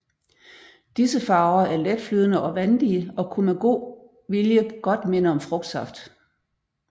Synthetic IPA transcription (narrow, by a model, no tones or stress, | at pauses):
d̥isəfɑ̈ːʊɐæɐled̥flyːð̞ˠənəʔɒ̽ʋænd̥iəɒ̽kʰumæɡ̥o̝̰ː | ʋiljəɡ̥ɒ̽d̥menəɒ̽mfʁɔ̽ɡ̥̚d̥sɑfd̥